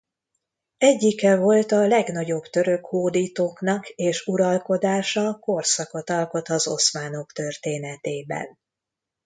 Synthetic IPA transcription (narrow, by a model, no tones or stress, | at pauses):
ɛɟːikɛvo̞lt̪ɒlɛɡnɒɟo̞bt̪ø̞ɾø̞khoːd̪iːt̪oːknɒkeːʃuɾɒlko̞d̪aːʃɒko̞rsɒko̞t̪ɒlko̞t̪ɒzo̞̰smaːno̞kt̪ø̞rt̪eːnɛt̪eːbɛ̰n